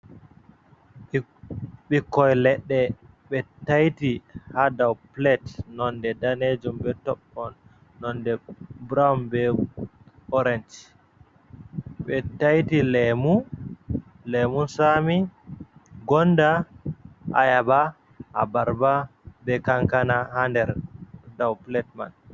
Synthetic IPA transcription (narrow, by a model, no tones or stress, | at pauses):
ɓikːɔjlɛɗːɛ | ɓɛtajtihadawplɛtnɔndɛdaned͡ʒumbɛtɔɓːɔnː | ɔndɛbɾawmbɛ | ɔɾɛnd͡ʒ | ɓɛtajtilɛmun | lɛmunsami | ɡɔnda | ʔa̰jaba | ʔa̰baɾbabɛkaŋkanahandɛɾdawplɛtma̰n